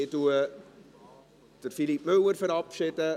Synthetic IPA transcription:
ɪtuə | d̥ərfilip̚mɵwərfəɾɑpʃɪtə

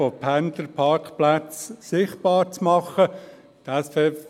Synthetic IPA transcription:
opʰænd̪əɾpʰɑɾkχplæt͡ssɪχt̚b̥ɑːɾt͡smɑχə | d̪̥ɛsfe

